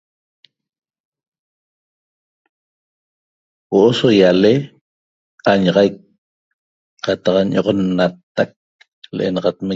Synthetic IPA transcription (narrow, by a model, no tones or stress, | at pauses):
woʔosojale | aɲɑʁɑjk̚ | qɑt̪ɑqɲʔoʁonːat̪ːak̚ | leʔḛnɑʁɑt̪me